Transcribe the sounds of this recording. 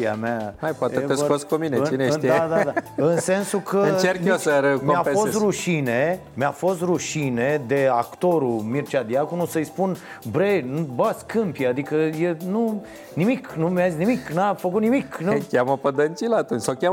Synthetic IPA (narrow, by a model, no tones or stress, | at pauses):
ia̰meaajpoaet̪estoskuminet͡ʃineiad̪ad̪aɨnse̞nsukʰət͡ʃerkesəɾmoaeost̪ruʃine | meafo̞st̪ruʃined̪eakt̪o̞ɾumirt͡ʃad̪iakunusəjspun | bɾejnbəskɨmpjad̪ikəjenu | nimiknumjazisnimiknafəkut̪nimiknukʲaməpəd̪ənt͡ʃilaːt̪unt͡ʃsawkʲa